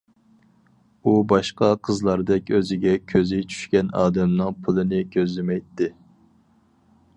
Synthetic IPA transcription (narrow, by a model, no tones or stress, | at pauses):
ubɑʃqɑqʰəzlˠɑɾd̪ɛkʲøzɪɡʲɛkʲʰøzɪt͡ʃʰy̥ʃkʲɛnɑ̰ːd̪ɛmnɨŋpʰulˠɨnɪkʲʰøzlɪmɛjt̪ːɪ